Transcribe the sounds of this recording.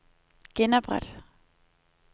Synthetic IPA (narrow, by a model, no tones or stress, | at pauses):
ɡ̥enɐb̥ʁad̥